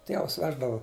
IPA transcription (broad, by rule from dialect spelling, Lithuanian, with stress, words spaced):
ˈtʲiɛʋɐs ˈʋʲæːʒdɐʋʊ